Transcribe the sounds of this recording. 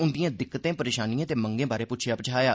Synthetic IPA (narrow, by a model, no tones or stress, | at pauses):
ʊnd̪ɪjãːd̪ɪkːət̪ẽːpəɾeːʃaːniːãːt̪eːməŋɡẽːbaːɾeːpʊtːt͡ʃʰeapət͡ʃʰaːjaː